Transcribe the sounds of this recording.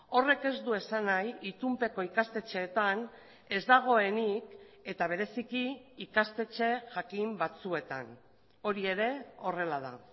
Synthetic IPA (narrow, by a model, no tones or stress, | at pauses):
o̞re̞ke̞zd̪ue̞sanajit̪umpe̞ko̞ikast̪e̞t͡ʃe̞ːt̪an | e̞zd̪aɣ̞o̞e̞nik | e̞t̪aβ̞e̞ɾe̞sikiːkast̪e̞t͡ʃe̞ʝakimbat͡sue̞t̪a̰n | o̞ɾie̞ɾe̞o̞re̞lað̞a̰